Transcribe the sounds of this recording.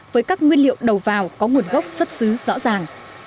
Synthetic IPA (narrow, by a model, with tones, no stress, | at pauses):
vəː˨˦jkaː˦˥k̚ŋwi˧ənlḭ˧˨əwɗə˨˩wvaː˨˩wkɔ˨˦ŋu˨˩ənɣə˦˥wk͡p̚swə˦˥t̚sɨ˨˦zɔ̰˧˥zaː˨˩ŋ